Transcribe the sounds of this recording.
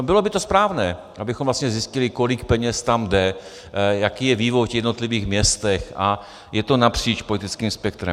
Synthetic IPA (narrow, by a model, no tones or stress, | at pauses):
bɪlo̞bɪt̪o̞spɾaːvnɛː | ʔabɪxomvlast̪ɲɛzɪscɪlɪko̞lɪkpɛɲɛst̪amdɛ | jakiːjɛviːvojfjɛdno̞t̪lɪviːxmɲɛst̪ɛxʔa | jɛt̪o̞napr̝̥iːt͡ʃpo̞lɪt̪ɪt͡skiːmspɛk̚t̪ɾɛ̰